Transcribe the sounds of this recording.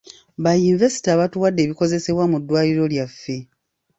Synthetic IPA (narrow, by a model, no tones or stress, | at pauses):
βajinive̞si̥taːβatuwadːe̞ːβiko̞ze̞se̞βwamudːwaːliɾo̞ljafːe̞